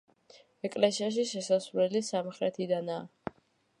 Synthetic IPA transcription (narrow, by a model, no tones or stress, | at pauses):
ɛkʼlɛsiaʃ̬iʃɛsasvɾɛlisamχɾɛt̪ʰid̪anaː